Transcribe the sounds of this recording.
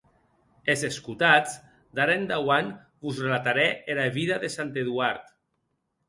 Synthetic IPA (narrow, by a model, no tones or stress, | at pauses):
ezeskut̪ad͡z | d̪aɾend̪awan | buzrelat̪aɾɛeɾaβiðaðesant̪eðuaɾt̪